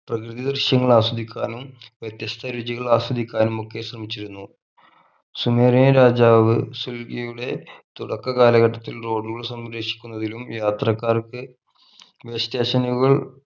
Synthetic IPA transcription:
prɐkrɨðɐd̪ɐrʂjɐŋːɐɭaːsɐd̪ikʲːaːnumʋjɐt̪jɐst̪ʰɐɾud͡ʑiɣɐɭaːsɐd̪ikʲːaːnumo̞kːe̞ɕrɐmit͡ɕːiɾunːu | sumeːrijɐɾaːd͡ʑaːʋɨsulɡɐjuɽe̞t̪uɽɐkːɐkaːlɐɣɐʈːɐt̪ːilro̞ːɖːuɣɐɭsɐmɾeːʂi̥kʲːunːɐðilumjaːt̪rɐkːaːrkɨ | ʋest̪eːɕɐnuɣɐɭ

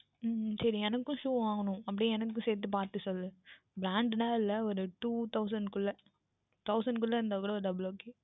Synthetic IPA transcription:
sɐɾiɛnɐkːʊ̃ʃuːʋaːŋɡɐnʊ̃ɐp̬ːɐɽiɛnɐkːʊ̃seːɾt̪̬ːɯpaːɾt̪ɯsɔlɐðɯ | bɾaːɳɖnaːɪlːɐɔɾɯʈuːt̪ɐʊsɐɳɖkʊlːɐ | t̪ɐʊsɐɳɖkʊlːɐɾnd̪aːkuːɽɐɔɾɯdɐbloːke

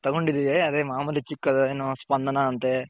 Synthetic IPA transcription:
t̪ɐɡoɳɖid̪iʋeɐd̪eːmaːmɐlit͡ʃikːɐd̪ɐeːnoːspɐnd̪ʱɐnɐːnt̪e

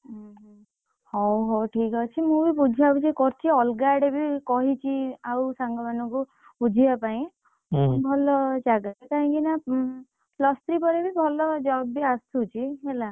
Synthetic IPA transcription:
ɦ | hɔɦɔʈʰikɔt͡ʃʰimũbipud͡ʒʱiabit͡ʃʰikɔɾt͡ʃʰiɔlɡaɽebikɔɦit͡ʃʰiawsaŋɡɔmanɔ̃ŋku | pud͡ʒʱibapaĩ | bʱɔlɔd͡ʒaɡak̪aĩkina | lɔst̪ɾipɔɾebibʱɔlɔd͡ʒɔbːiast̪ut͡ʃʰiɦela

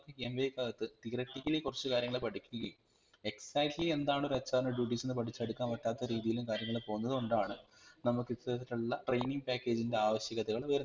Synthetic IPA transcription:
kːɨkemʋejkːaɣɐt̪ːɨt̪irɐʈːikːilekːurɐt͡ɕːukaːɾjɐŋːɐɭepɐʈʰikʲːuɣɐjum | e̞ksaːkʈlie̞nd̪aːɳo̞ɾɐt͡ɕːaːɾnɐɖjuːʈːiːsenːɨpɐʈʰit͡ɕːɐɽukːaːnʋɐʈːaːt̪ːɐɾiːðijilumkaːɾjɐŋːɐɭepo̞ːɣunːɐðɨuɳɖaːɳɨ | nɐmukːit̪ːɐɾɐt̪ːiʈːuɭːɐʈrejniŋɡ̚paːkːe̞ːd͡ʑinde̞aːʋɐɕjɐɣɐt̪ːɐɣɐɭʋɐɾun

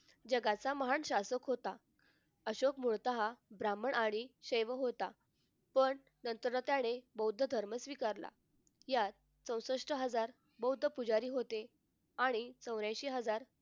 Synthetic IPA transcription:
d͡ʑəɡat͡saməɦaɳɕasəkɦot̪a | əɕokmuɭt̪aɦabɾaməɳaɽ̃iɕəjʋəɦot̪a | pəɳ | nənt̪əɾət̪jaɽ̃ebəwd̪ʱəd̪ʱəɾməsʋikaɾla̰ | jat̪ | t͡sə̃w̃səʂʈəɦəd͡zaɾ | bəwud̪ʱəpud͡zaɾiːɦot̪e | aɽ̃it͡səwɾjãjɕiːɦəd͡zaɾ

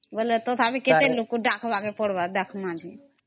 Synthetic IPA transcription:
bəlet̪ot̪ʰabiket̪elukuɖakʰbakepəɽbadakʰmãd̪ʱi

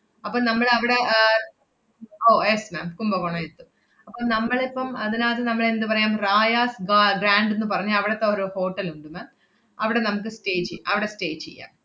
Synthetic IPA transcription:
ɐpːoːnɐmːɐɭɐʋiɽe̞ | oːjesmaːmkumbɐʋoɳɐjet̪ːu | ɐpːoːɭnɐmːɐɭepːɐmɐðinaːðɨnɐmːɐɭe̞nd̪ɨpɐrɐjaːmraːjaːsɡaɡɾaːɳɖenːɨpɐrɐɲːɐɐʋiɽet̪ːeoɾuho̞ːʈːɐluɳɖɨmaːm | ɐʋiɽe̞nɐmuk̬ːɨsʈe̞ːt͡ɕːejaɐʋiɽe̞sʈe̞ːt͡ɕḛjːa̰ːm

